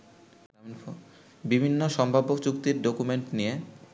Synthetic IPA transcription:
bibʱinːoʃɔmbʱabokt͡ɕukt̪iɾɖokumeɳʈnije

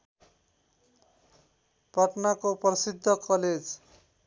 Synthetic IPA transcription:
pʌʈnakoprʌsid̪ʱːʌkʌled͡z

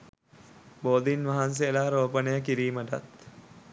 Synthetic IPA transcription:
boːd̪inʋaɦans̬eəlaːɾoːpənəjək̬iɾiːməʈa̰t̪

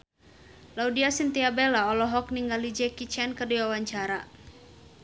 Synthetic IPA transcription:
laudiasint̪iabɛlaɔlɔɦɔk̚niŋɡalid͡ʒɛkit͡ʃɛnkərduawaɲt͡ʃaɾa

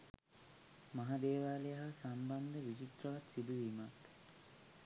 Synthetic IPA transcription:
maɦad̪eːʋaːlejɐɦasamband̪əʋit͡ʃit̪rɐʋat̪sid̪uʋimat̪

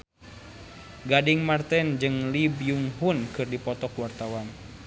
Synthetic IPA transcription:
ɡadiŋmart̪ɛnd͡ʒɨŋlibjuŋɦunkɨrdipɔt̪ɔkuwart̪awan

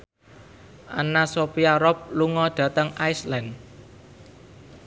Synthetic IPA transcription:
ʔa̰nasopiaɾɔp̚luŋɔɖ̪̥ä̤t̪əŋajslan

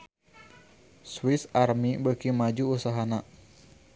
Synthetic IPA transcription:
swisarmibəkimad͡ʒuːsaɦana

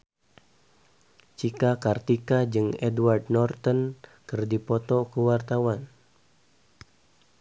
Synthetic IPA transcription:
t͡ʃikakart̪ikad͡ʒɨŋɛduwardnɔrt̪ɔnkɨrdipɔt̪ɔkuwart̪awan

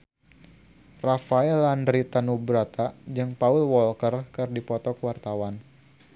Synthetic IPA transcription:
rafaɛlandɾit̪anubɾat̪ad͡ʒɨŋpaulwɔlkərkɨrdipɔt̪ɔkəwart̪awan

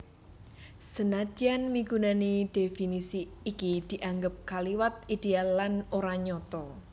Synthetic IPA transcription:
sənad͡ʒ̥ianmiɡunanid̥efinisiːkid̪̥i̤ʔaŋɡəp̚kaliwat̪̚id̪̥ealːanoɾaɲɔt̪ɔ

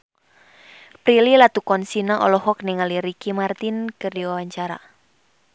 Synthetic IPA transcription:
pɾililat̪ukɔnsinaʔɔlɔhɔk̚niŋaliɾikimart̪inkɨrdiwawaɲt͡ʃaɾa̰

